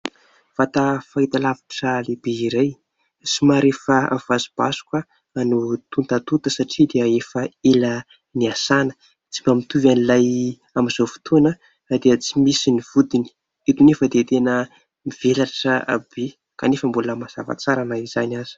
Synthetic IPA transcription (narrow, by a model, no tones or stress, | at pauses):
v̥at̪afait̪alavḁʈ͡ʂəlebeiɾej | simaɾefəa̰v̥azi̥b̥a̰su̥kə | anut̪unt̪at̪ut̪əsaʈ͡ʂid̪eəefəela | niasanə̥ | t͡simamit̪uvanilaj | amiz̥ofu̥t̪ʰunə | d̪eət͡simisiniv̥ud̪ini̥ | et̪unefəd̪et̪enə | mivelaʈ͡ʂəa̰be | kanefəmbuləmaz̥ava̰t͡saɾanaiz̥anaz̥i̥